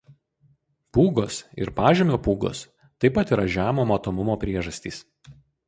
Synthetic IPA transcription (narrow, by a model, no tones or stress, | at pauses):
puːɡoːsɪ̰ɾpɑːʒʲemʲoːpuːɡo̰ːs | t̪ɐɪpɐt̪iɾɐʒʲæːmoːmɐt̪oːmʊmoːpʲɾʲiɛʒɐsʲt̪ʲiːs